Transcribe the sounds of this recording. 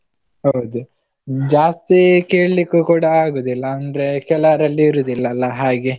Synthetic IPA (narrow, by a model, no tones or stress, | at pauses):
hɐwd̪u | d͡ʒaːst̪ikeːɭɐlikːukuːɽaaːɡoːd̪ilːɐɐnd̪ɾe̞kɛlɐɾɐlːiːɾuːd̪ilːɐlːɐɦaːɡe